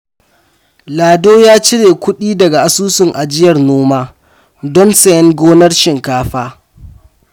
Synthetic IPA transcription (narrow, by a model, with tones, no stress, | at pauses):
laː˨doː˦jaː˦t͡ʃɪ˦ɽeː˨kʷʊ˦ɗiː˦dɐ˨ɡa˨ʔa˨suː˦sʊ˨ŋʔa˨d͡ʒɪ˦jɐ˨rnoː˦maː˦ | dɔ˦nsɛ˨jɛ˦ŋɡʷoː˦nɐ˦rʃɪ˨ŋkaː˦ɸaː˦